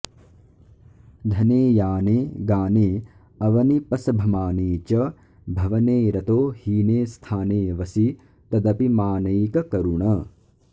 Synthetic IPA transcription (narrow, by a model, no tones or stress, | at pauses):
d̪ʱɐneːjaːneːɡaːneː | ɐʋɐnipɐsɐbʱɐmaːneːt͡ʃɐ | bʱɐʋɐneːɾɐt̪oːhiːneːst̪ʰaːneːʋɐsi | t̪ɐd̪ɐpimaːnɐjkɐkɐɾuɳɐ